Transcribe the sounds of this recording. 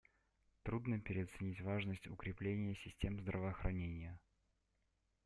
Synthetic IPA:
t̪ɾud̪nəpʲɪɾʲɪɐt̪sɨnʲitʲvaʐnəsʲtʲʊ̰kɾʲɪplʲenʲɪjəsʲɪsʲtʲe̞mzd̪ɾəvəːxɾʔɐnʲenʲɪjə

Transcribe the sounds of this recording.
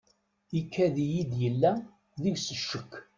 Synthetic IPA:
ikːæðijid̪jəlːæ | ðiʝsəʃːəkː

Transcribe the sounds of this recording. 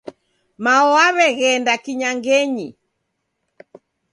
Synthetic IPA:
maɔaβɛɣɛndakiɲaŋɡɛɲi

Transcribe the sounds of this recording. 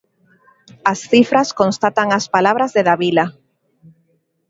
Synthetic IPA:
asθifɾaskonst̪at̪aŋaspalaβɾazðeðaβila

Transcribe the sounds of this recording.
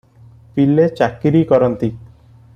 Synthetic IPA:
pilet͡ʃakiɾikɔɾɔnt̪i

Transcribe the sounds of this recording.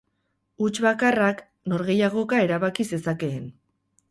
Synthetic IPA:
ut͡ʃβakarak | no̞ɾɣe̞jaɣ̞o̞kae̞ɾaβakise̞sake̞ːn

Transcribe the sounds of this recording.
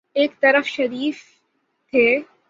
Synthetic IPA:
eːkt̪ɐɾəfʃɐɾiːf | t̪ʰeː

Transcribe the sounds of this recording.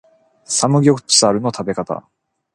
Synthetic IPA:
samɯ̟ɡʲo̞kɯ̟̥t͡ɕi̥saɾɯ̟no̞t̪ʰabe̞kat̪a̰

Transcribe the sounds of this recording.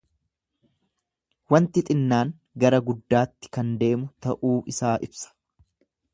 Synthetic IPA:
wɐnt̪ɪt̪ʼɪnːaːŋ | ɡɐɾɐɡʊd̪ːaːt̪ːɪ̥kɐnd̪e̞ːmʊt̪ɐʔuːʔɪsaːʔɪbsɐ̥

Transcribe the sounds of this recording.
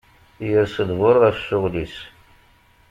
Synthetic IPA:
jəɾsəd̪vʊɾˤʁæfsʊʁlis

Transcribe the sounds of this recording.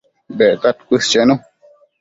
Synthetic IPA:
bɛkat̚kust͡ʃeno

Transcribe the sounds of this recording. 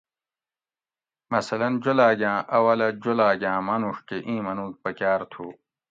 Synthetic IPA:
mɐsɐlɐnd͡ʑolaːɡʲãːʔɐwɐlɐd͡ʑolaːɡʲãːmɐnuʂʈeʔĩːmɐnuːk̚pɐkʲaːɾt̪ʰuː

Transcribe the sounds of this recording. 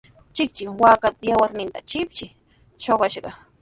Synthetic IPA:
t͡ʃɪk̚t͡ʃɪŋwaːkat̪ajawaɾnɪnt̪a̰t͡ʃɪp̚t͡ʃɪ | ʃoɢɑʃɢɑ

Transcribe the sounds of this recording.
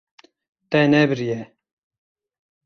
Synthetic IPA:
t̪ɛnɛbɨɾijɛ

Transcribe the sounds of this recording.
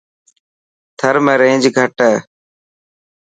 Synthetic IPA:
t̪ʰəɾmẽːɾẽːd͡ʒɡʱəʈəː

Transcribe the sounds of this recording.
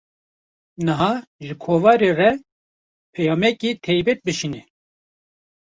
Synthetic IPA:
nɨɦɑːʒɨkʰoːvɑːɾeːrɛ | pʰɛjɑːmɛkiːt̪ʰɛjbɛt̪̚bɨʃinɛ

